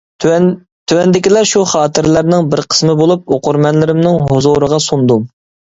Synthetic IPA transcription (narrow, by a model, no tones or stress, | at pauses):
t̪ʰywɛnd̪ɪkʲilɛʃuχɑːt̪ʰɨɾlæɾnɪŋbɪɾqʰə̥smɨbolˠup̚oqʊɾmɛnlɪɾɪmnɪŋɦozoɾəʁɑsund̪um